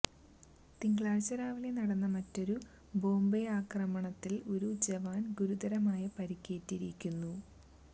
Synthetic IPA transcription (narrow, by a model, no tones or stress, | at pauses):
t̪iŋɡɭaːɻɕɐɾaːʋile̞nɐɽɐnːɐmɐtːo̞ɾu | bo̞ːmbeaːkrɐmɐɳɐt̪ːilo̞ɾud͡ʑeʋaːnɡuɾud̪ɐɾɐmaːjɐpɐɾikʲːe̞ːtːiɾikʲːunːu